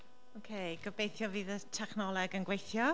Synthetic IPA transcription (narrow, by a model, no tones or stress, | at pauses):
okʰeɡ̥əbejθjɔviːðətʰɛχnɔlˠɛɡənɡwejθjɔ